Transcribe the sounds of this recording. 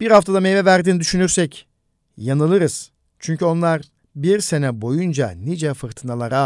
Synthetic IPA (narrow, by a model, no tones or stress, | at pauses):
b̥iɾhaft̪ʰad̪amejvɛvæɾd̪iːnid̪yʃynyɾsɛc | janɯlˠɯɾɯz̥ | t͡ʃʰyɲcʰyo̞nlˠaɾ | biɾse̞nɛbo̞jund͡ʒa̰nid͡ʒɛfɯɾt̪ʰɯnalˠaɾa